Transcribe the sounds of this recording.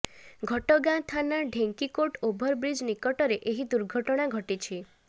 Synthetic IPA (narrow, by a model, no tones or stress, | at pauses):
ɡʱɔʈɔɡãt̪ʰanaɖʱeŋkikoʈobʱɔɾbɾid͡ʒnikɔʈɔɾeʔeɦid̪uɾɡʱɔʈɔɽ̃aɡʱɔʈit͡ʃʰi